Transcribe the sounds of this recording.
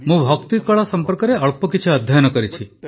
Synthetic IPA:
mũbʱɔkt̪ikɔɭasɔmpɔɾkɔɾeɔɭpɔkit͡ʃʰiɔd̪ʱjajnɔkɔɾit͡ʃʰi

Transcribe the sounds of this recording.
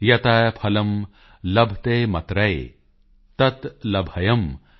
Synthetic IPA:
jɐt̪ɐjpʰɐlɐm | lɐbʱt̪eːmɐt̪ɾɐj | t̪ɐt̪lɐbʱɐjɐm

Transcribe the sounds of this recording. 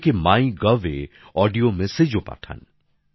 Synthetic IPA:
kemaːĩɡɐʋḛ | ɔːɖijomesed͡ʒopa̰ʈʰa̰n

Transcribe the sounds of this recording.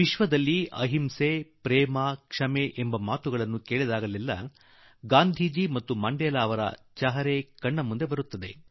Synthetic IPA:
ʋiʃʋɐd̪ɐlːiɐ̰ɦimsepɾɛːmakʂɐmeʔembɐmaːt̪uɡɐɭɐnːukeːɭid̪aːɡɐlilːɐ | ɡaːnd̪ʱiːd͡ʒimɐt̪ːumɐɳɖɛːlaːɐʋɐɾɐ̰t͡ʃɐɦɐɾekɐɳːɐmːund̪e̞bɐɾut̪ːɐd̪e̞

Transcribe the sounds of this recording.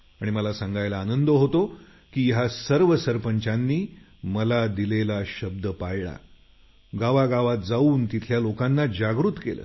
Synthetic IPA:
aɽ̃iməlasãŋɡajlaːnənd̪əɦot̪o | kiːɦasəɾʋəsəɾpəɲt͡ɕanːiː | məlad̪ilelaɕəb̚d̪əpajɭa̰ | ɡaʋaɡaʋat̪̚d͡zauːnt̪it̪ʰljalokanːad͡ʑaɡɾut̪kelə̰ː

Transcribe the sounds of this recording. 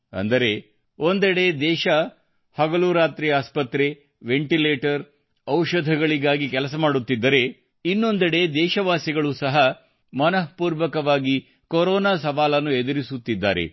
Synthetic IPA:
ɐ̰nd̪ɐɾe̞ | o̞nd̪ɛɽe̞d̪ɛːʃɐ | hɐɡɐluɾaːt̪ɾiaːspɐt̪ɾe̞ | ʋeɳʈileːʈɐɾ | ɐwʃɐd̪ʱɐɡɐɭiɡaːɡikɛlɐs̬ɐmaːɽut̪ːid̪ːɐɾe̞ | inːo̞nd̪ɛɽe̞d̪ɛːʃɐʋaːsiɡɐɭuːsɐɦɐ | mɐnɐɦpuːɾʋɐkɐʋaːɡi | koɾɔːnaːsɐʋaːlɐnːued̪ɐɾisut̪ːid̪ːa̰ːɾḛ

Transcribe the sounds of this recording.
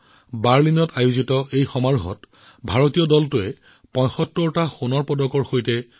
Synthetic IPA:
baɹlinɔtʰajuzitɔejxɔmaɹɦɔ̰t | bʱaɹotijɔdɔltʊɛ | pɔ̃jxɔtːɔɹtaxunɔɹpɔdɔkɔɹxojtɛ

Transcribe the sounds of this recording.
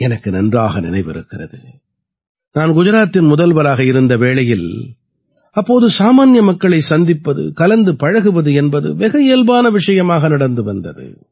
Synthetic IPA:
ɛnɐkːɯnɐndraːɣɐnɪ̰nɐɪʋɪ̰ɾɯ̰kːɪrɐðɯ̰ | naːnɡʊd͡ʒɪɾaːt̪ːɪnmʊðɐlʋɐlaːɣɐɪɾɯnd̪ɐʋeːɭɐjɪl | ɐpːoːðɯsaːmaːnjɐmɐkːɐɭɐɪsɐnd̪ɪpːɐðɯ̰kɐlɐnd̪ɯpɐɻɐɣɯʋɐðɯɛnbɐðɯ̰ʋɪɣɐeːlbaːnɐʋɪʂɐjɐmaːɣɐnɐɽɐnd̪ɯʋɐnd̪ɐðɯ̰

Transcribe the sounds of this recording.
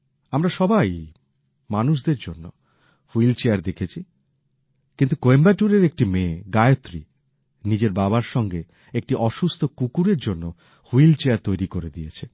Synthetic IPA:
amɾaʃɔbaj | manuʃ̬d̪eɾd͡ʑonːo | huilt͡ɕeaɾd̪ekʰet͡ɕʰi | kint̪ukoembaʈuɾeɾek̚ʈimẽɡajot̪ːɾḭ | nid͡ʑeɾbabaɾʃɔŋɡe | ek̚ʈiʔɔʃust̪ʰokukuɾeɾd͡ʑonːo | huilt͡ɕeaɾt̪ojɾikoɾed̪ijet͡ɕʰi

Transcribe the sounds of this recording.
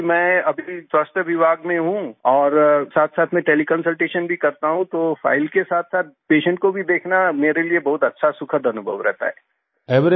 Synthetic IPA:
mɛ̃ːɐbʱiswaːst̪əʋɪbʱaːɡmẽɦũɔːɾsaːt̪ʰsaːt̪ʰmẽʈeːlikənsəlʈeːʃənbʱikɐɾt̪aɦũt̪ofa̰ːɪlkesaːt̪ʰsaːt̪̚peːʃə̃ɳʈ̚kobʱid̪eːkʰnameːɾeliebɐɦʊt̪ɐtːʃʰasʊkʰəd̪ʱɐnʊbʱə̰ʋɾɛ̰ɦt̪a̰ɦɛ̰ː | ɛʋɾ

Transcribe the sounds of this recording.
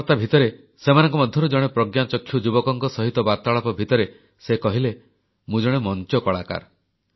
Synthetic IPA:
ɾt̪abʱit̪ɔɾe | semanɔ̃ŋkɔmɔd̪ʱjɔɾud͡ʒɔɽ̃epɾɔɡjat͡ʃɔkʰːjud͡ʒubɔkɔŋkɔsɔɦit̪ɔbat̪aɭɔpɔbʱit̪ɔɾe | sekɔɦile | mũd͡ʒɔɽ̃emɔnt͡ʃɔkɔɭaka̰ɾ

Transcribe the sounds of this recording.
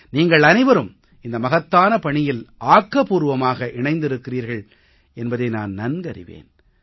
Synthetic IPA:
niːŋɡɐɭɐnɪʋɐɾɯm | ɪnd̪ɐmɐɣɐt̪ːaːnɐpɐɳɪjɪlʔaːkːɐpuːɾɯʋɐmaːɣɐʔɪɳɐɪnd̪ɪɾɯkːɪriːɾɣɐɭ | ɛnbɐðɐɪna̰ːnnɐnɡɐɾɪ̰ʋḛːn

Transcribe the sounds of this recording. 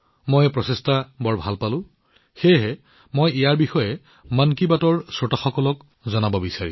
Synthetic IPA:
mojɛpɹɔsestabɔɹbʱalpalʊ̃ | xejɦɛ | mojijaɹbixɔjɛ | mankibatɔɹsɹɔtaxɔkɔlɔk | zɔnabɔbisaɹḭ

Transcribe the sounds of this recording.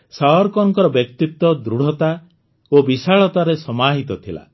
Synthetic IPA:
saɦɔɾkɔŋkɔɾɔbjɔkt̪it̪ːɔd̪ɾuɽ̤ɔt̪a | obisaɭɔt̪aɾesɔmaɦit̪ɔt̪ʰila̰

